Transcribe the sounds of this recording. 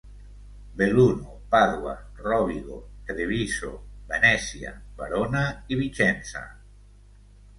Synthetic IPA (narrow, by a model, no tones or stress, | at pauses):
belunopaðwa̰rɔβiɣot̪ɾeβisoβenɛsja̰βaɾonaiβit͡ʃɛnsa̰